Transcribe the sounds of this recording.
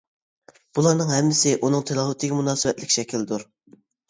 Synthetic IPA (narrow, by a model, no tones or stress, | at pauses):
b̥ulˠɑɾnɨŋɦɛmːɪsɪʔunɨŋt̪ʰɪlˠɑɦʊt̪ʰːɪɡʲɛmunɑːsɨvɛt̪lɪkʲʃɛkʲʰild̪uɾ